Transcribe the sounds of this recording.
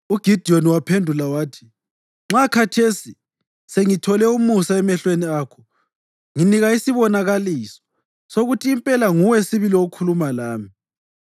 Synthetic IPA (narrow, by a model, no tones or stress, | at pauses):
uɡ̥ʱid̥ʱioniwapʰendʱulawaːtʰi̥ | ŋ͡ǁakʰatʰesi | seŋitʰɔlɛumusaɛmɛɬweniaːkʰɔ̥ | ŋiniɣaisiβɔnaɣaliːsɔ̥ | soɣutʰiːmpʼɛlaŋuwɛsiβilioɣkʰulumalaːmi